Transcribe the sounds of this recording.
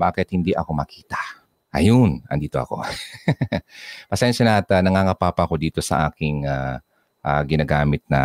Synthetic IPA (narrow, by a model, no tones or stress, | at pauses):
baːkɛt̪̚hɪnd̪iʔɐko̞mɐkiːt̪ɐ̥ | ʔɐ̰jonɐ̰nd̪iːt̪oʔɐ̰ko̞̰ | pɐsɛnʃɐnɐʔɐt̪anɐŋaːŋɐpaːpɐʔɐko̞d̪iːt̪o̞sɐ̰ʔaːkɪŋa | ʔaɡɪnaɡaːmɪt̪̚nɐ̰